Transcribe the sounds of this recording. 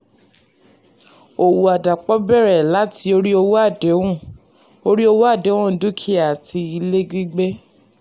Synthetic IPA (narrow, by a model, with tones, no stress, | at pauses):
o˨wu˨a˨da˨k͡pɔ˨˦bɛ˦˨ɾɛ˨la˨˦ti˧o˧ɾi˦o˧wo˦a˦˨de˨˦wũ˦˨ | o˧ɾi˦o˧wo˦a˦˨dẽ˨˦ũ˦˨˦du˦kʰi˦a˨tʰi˧i˧le˦ɡi˦ɡ͡be˦